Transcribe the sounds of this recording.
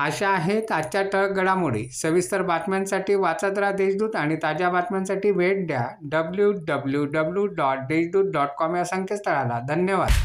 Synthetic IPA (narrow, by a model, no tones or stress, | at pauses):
əɕaːɦet̪at͡ɕjaʈəɾk̚ɡəɭamuɭḛsəʋist̪əɾbat̪mjansaʈiːʋat͡sat̪ɾad̪eɕd̪uːt̪aɽ̃it̪ad͡ʑjabat̪mjansaʈiːʋeʈ̚d̪jaɖəbljuɖəbljuɖəbljuɖɔʈ̚d̪eɕd̪uːt̪̚ɖɔʈkɔmjasəŋkʰet͡st̪əɭala̰d̪ʱənjəʋa̰d̪